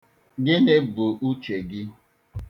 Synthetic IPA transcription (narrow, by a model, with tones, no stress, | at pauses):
ɡɪ˦nɪ˦bʊ˨ʔu˦t͡ʃe˨ɡɪ˦